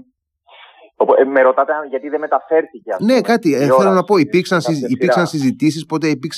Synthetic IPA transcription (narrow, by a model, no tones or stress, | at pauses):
opmeɾot̪ɐt̪eɐnʝɐt̪iðemet̪ɐfe̞ɾθiceɐ̰fne̞kɐt̪iθelonɐpo̞ipiɾksɐnsipiɾksɐnsizit̪is̬ispo̞t̪e̞ipiɾks